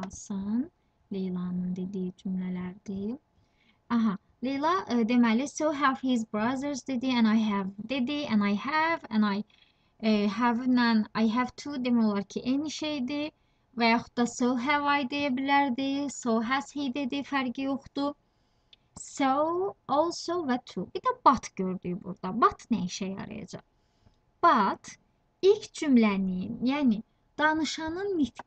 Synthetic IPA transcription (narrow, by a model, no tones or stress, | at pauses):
sɯn | lejlˠɑnɯnd̪e̞d̪id͡ʒymlælæɾd̪i | ɑɦɑ | lejlˠɑd̪e̞mælisowɦævhizbɾɑzəɾzd̪e̞d̪iæ̃nɑjɦævd̪e̞d̪iæ̃nɑjhævæ̃nɑj | ɦævnænɑjɦævt̪ʰud̪e̞mæjo̞lˠɑɾcʰiʔeniʃe̞jd̪i | væjɑχu̥d̪ːɑsoɦævɑjd̪ejæbilæɾd̪isowɦæshejd̪ed̪ifæɾɟijo̞χd̪̥u | soolˠsovæt̪ʰubid̪æb̥ɑt̪ʰɟ̥ø̞ɾd̪yjbṵɾd̪ɑbɑt̪ʰnæjiʃæjɑ̰ɾɑ̰jɑ̰d͡ʒɑ̰χ | b̥ɑt̪ | ilcʰd͡ʒymlænimjæːni | d̪̥ɑnɯʃɑnɯnːit̪